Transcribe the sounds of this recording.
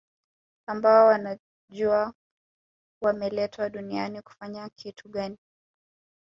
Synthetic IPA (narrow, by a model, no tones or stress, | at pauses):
ambaɔwana | ʄua | wamɛlɛtʰwaɗunianiku̥faɲakʰitʰuɠani